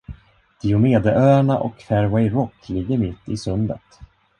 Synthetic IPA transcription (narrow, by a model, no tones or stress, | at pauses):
d̪̥ɪʊmeːd̪əʔøːaɳaʔɔ̰kfæɾvɛjɾɔkːlɪɡːəɾmɪt̪ːɪ̰sɵnd̪ə̰t̪